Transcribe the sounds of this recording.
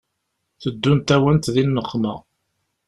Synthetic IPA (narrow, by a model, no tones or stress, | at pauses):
θəd̪ːunt̪æwənt̪ðinːəχːmə̰